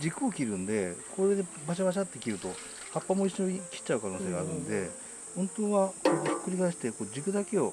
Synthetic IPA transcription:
d͡ʑikɯ̟okʲiɾɯ̟̃nd̪e̞kʰoɾed̪ebaɕabaɕ̬at̪ːekʲiɾɯ̟t̪o̞ | hapːamo̞iɕoikʲi̥t͡ɕːaɯ̟kano̞ːse̞ːɡaːɾɯ̟̰̃nd̪e̞̰ | hõ̞nt̪oːβakoːkːɯ̟ɾʲiɡaɕi̥t̪e̞ko̞ːd͡ʑikɯ̟d̪ake̞o̞

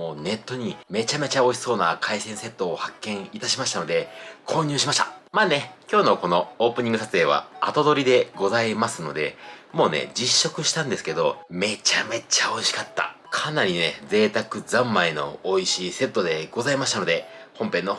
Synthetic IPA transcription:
oːne̞t̪ːo̞ɲ̟ime̞t͡ɕame̞t͡ɕao̞iso̞ːnakʰaisẽ̞ɰ̃se̞t̪ːo̞ːhakːẽ̞ɰ̃it̪aɕimaɕit̪ano̞d̪ekʰo̞ːɲ̟ɨːɕimaɕt̪amaːne̞kʲo̞ːno̞ko̞no̞oːpɯ̟ɲ̟ĩŋɡɯ̟sat͡sɨeːβ̞a̰a̰t̪o̞d̪o̞ɾʲid̪e̞ɡo̞zaimasɨno̞̰d̪e̞̰mo̞ːne̞̰d͡ʑiɕːo̞kɯ̟ɕi̥t̪ãnd̪e̞sɨ̥ke̞d̪o̞me̞t͡ɕame̞t͡ɕao̞iɕi̥kat̪ːa̰kʰanaɾʲined͡ze̞ːt̪akɯ̟d͡zãmːaino̞̰oiɕiːse̞t̪ːo̞d̪e̞ɡ̥o̞zaimaɕit̪ano̞d̪e̞hõ̞mpẽ̞nːo̞

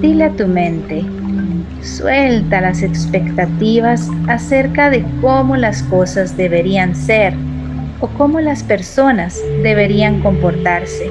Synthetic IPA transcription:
d̪ileat̪umẽnt̪e | swelt̪alasespekt̪at̪iβ̞asaseɾkaðekomolasko̞sazðeβeɾianseɾ | oko̞molaspeɾso̞nazd̪eβe̞ɾiaŋko̞mpoɾt̪aɾse

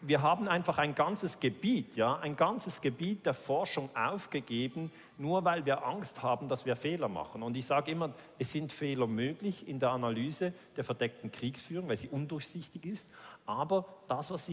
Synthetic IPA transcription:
viːɐɦaːbn̩aɪnfaχaɪnɡant͡səsɡ̥əb̥iːtjaːʔa̰ɪnɡant͡səsɡ̥əbiːt̚d̥eːɐfɔɐʃʊŋʔa̰ʊfɡ̥əɡeːbn̩ | nuːɐvaɪlviːɐʔaŋsthaːbn̩d̥asv̥iːɐfeːlɐma̰χən̩ʊndɪçz̥aːɡəɪmɐʔɛsz̥ɪntfeːlɐmøːɡ̥lɪçɪndeːɐʔanalyːzəd̥eːɐfɛɐdɛk̚tn̩kʁ̥iːksfyːʁʊŋvaɪlziːʔʊndʊɐçz̥ɪçtɪçɪstʔaːbɐd̥asvasi

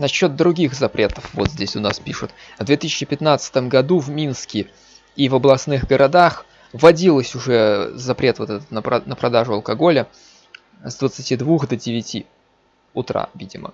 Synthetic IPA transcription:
nɐɕːo̞t̪̚d̪ɾʊɡʲixzɐpɾʲe̞t̪əfvo̞t̪zʲdʲesʲʊnaspʲiʂʊt̪ | vd̪vʲet̪ɨɕʲɪt͡ɕɪpʲɪt̪nat̪sə̥ɨ̥t̪əmɡɐd̪uvmʲinskʲɪ | ivəblˠɐsnɨxɡəɾʔɐd̪ax | vɐdʲilˠəsʲʊʐɛzɐpɾʲe̞t̪vo̞t̪ɛt̪ət̪nənəpɾɐd̪aʐʊɐlˠkɐɡo̞lʲə | zd̪vət̪sɨtʲid̪vuxd̪ədʲɪvʲɪtʲi | ʊt̪ɾa̰vʲidʲɪmə̰

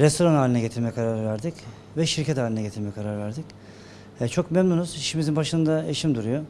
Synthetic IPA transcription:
ɾɛst̪ʰo̞ɾanaːlʲinɛɟe̞t̪ʰiɾmɛkʰaɾaɾvæɾd̪ic | vɛʃiɾcʰɛt̪ʰaːlʲinɛɟeiɾmɛkʰaɾaɾvæɾd̪ic | ɛt͡ʃʰo̞kmemnunuz̥iʃimizinbaʃɯnd̪aeʃimd̪uɾujo

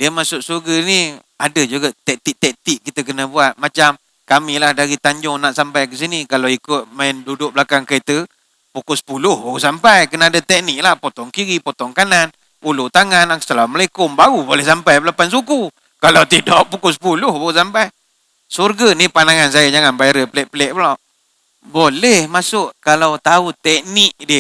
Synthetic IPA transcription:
diəmaʔsʊʔ̪̚surɡəni | adəd͡ʒuɡat̪ɛk̚t̪iʔt̪ɛk̚t̪iʔkːit̪əkənəbuat̪̚mat͡ʃam | kamilahdaɾit̪aɲd͡ʒʊŋnaʔsampajkəs̬inikalawikʊt̪̚maɛndudʊk̚blakaŋkəit̪ə | pukʊsə̥pulʊhbaɣusampajkənaːdət̪ɛk̚nɪk̚lahpot̪ɔŋkiɾipot̪ɔŋkanan | ulʊt̪aŋanaŋsət̪əlaməlekʊmbaɣubolɛhsampajblapans̬uku | kalawt̪idɔʔpukʊsə̥pulʊhbaɣus̬ampaj | surɡənipanaŋans̬ajad͡ʒaŋanbajɾəpəlɛʔpəlɛʔbəlaʔ | bolɛhmasʊʔkalawt̪aut̪ɛk̚nɪk̚dɪh

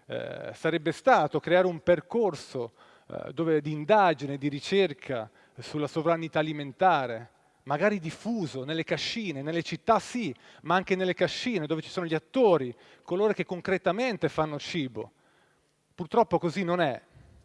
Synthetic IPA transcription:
saɾɛbːest̪aːt̪okɾeaːɾeumperkorso̰ | d̪oːved̪iːnd̪ad͡ʒined̪iɾit͡ʃerkʰa | sulːasovɾanit̪aːliment̪aːɾe | maɡaːɾid̪ifːuːzonelːekaʃːiːnenelːet͡ʃit̪ːasi | maaŋkenelːekaʃːiːned̪oːvet͡ʃi̥soːnoʎiat̪ːoːɾi | koloːɾokekːoŋkɾet̪ament̪efanːot͡ʃiːbo̰ | purt̪ɾɔpːokozinːonɛ

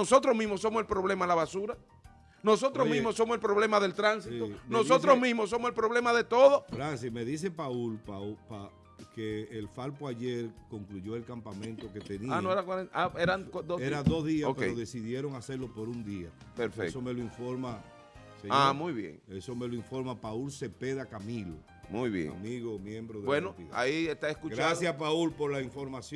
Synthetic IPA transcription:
noso̞t̪ɾosmĩsmosːo̞moselpɾo̞βle̞malaβasuɾa | no̞so̞t̪ɾomĩsmosːo̞moselpɾo̞βle̞maðe̞lt̪ɾansit̪onosot̪ɾosmĩsmos̬ːo̞moselpɾo̞βle̞maðe̞t̪o̞ðofɾans̬imeðis̬e̞paulpaupa | keːlfalpoaʝeɾko̞ŋkluʝo̞e̞lkampamẽnt̪o̞ket̪enianoeɾakwaɾeaeɾad̪oeɾaðo̞zðiasokpeeɾoðe̞siðje̞ɾo̞ŋase̞ɾlo̞po̞ɾund̪ia | peɾfesome̞loiɱfo̞ɾma | seɲamujβjḛŋeso̞me̞loiɱfo̞ɾmapaulse̞pe̞ðakamilo̰ | mujβjḛamiɣomjẽ̞mbɾoðebwenopḭa̰iest̪aeskuɡt͡ʃɾasjapaulpo̞ɾlaiɱfo̞ɾmasj

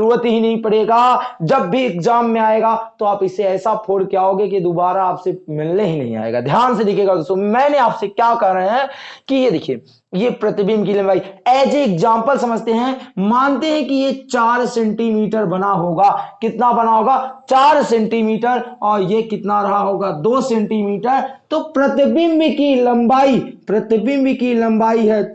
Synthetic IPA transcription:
ɾuːɾət̪iɦinɐɦĩpɐɽeːɡad͡ʒɐbːʱiɪkzaːmːẽaːeɡat̪oaːpɪseɛːsapʰoːɽkjaɦoːɡeked̪uːbaːɾaaːpsemɪlneɦinɐɦĩa̰ːḛːɡad̪ʱjaːnsed̪ɪkʰeːɡad̪oːst̪oːmɛ̃ːneaːpsekjaːkɐɦɾəɦeɦɛ̃kijed̪ɪkʰie | jepɾɐt̪ɪbimkiliembʱaːiɛːd͡ʒeːkzãːmpəlsɐməd͡ʒʱt̪eɦɛ̃mãːnt̪eɦɛ̃kijet͡ʃaːɾsɛ̃ːɳʈimiːʈəɾbɐnaɦoːɡakɪt̪nabɐnaɦoːɡat͡ʃaːɾsɛ̃ːɳʈimiːʈəɾɔːɾjekɪt̪naɾɐɦaɦoːɡad̪oːsɛ̃ːɳʈimiːʈəɾt̪opɾɐt̪ɪbimbʱikilɐ̃mbaːipɾɐt̪ɪbiːmbʱikilɐ̃mbaːiɦɛ

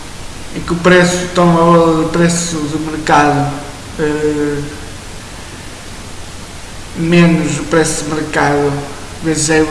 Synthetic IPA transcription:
ẽkupɾesut̪ɔmɐβɔlˠɐðupɾesuðɨmɨɾkaðu | ɛ | menuzupɾɛsuðɨmɨɾkaðu | vezɨzɛ

